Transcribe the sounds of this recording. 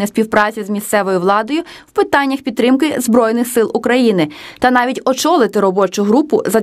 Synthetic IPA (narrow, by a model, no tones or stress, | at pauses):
ɛsʲpʲiwpɾɑt͡sʲizmʲist̪sɛʋɔjʊʋlˠɑd̪ɔjʊ | wpɪt̪ɑnʲːɐxpʲid̪̚t̪ɾɪmkɪzbɾɔjnɪxsɪlˠʊkɾɐjinɪt̪ɐnɑʋʲitʲɔt͡ʃɔlˠɪt̪ɪɾɔbɔt͡ʃʊɦɾupʊzɐ